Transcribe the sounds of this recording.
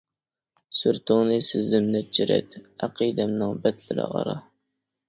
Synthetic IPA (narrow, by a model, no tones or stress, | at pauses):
syɾt̪ʰʊŋnɨsɪzd̪ɪmnɛt͡ʃʰɪɾɛ̰t̪æqʰid̪ɛmnɨŋbɛt̪lɪɾɨ̰ʁɑ̰ɾɑ